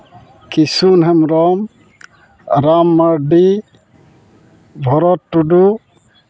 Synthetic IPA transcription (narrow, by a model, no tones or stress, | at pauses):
kisunɦɛmɾɔm | ɾamːaɾɖi | bʱɔɾɔtːuɖu